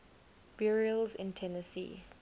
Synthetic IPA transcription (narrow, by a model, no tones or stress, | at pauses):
b̥iɹilzɪ̰̃ntʰɛnəsḭː